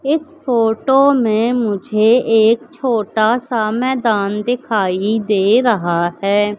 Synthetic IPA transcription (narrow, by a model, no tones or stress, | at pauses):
ɪsfʰoːʈoːmẽmʊd͡ʒʱeeːkt͡ʃʰoːʈasamɛːd̪aːnd̪ɪkʰaːid̪eːɾɐɦaɦɛː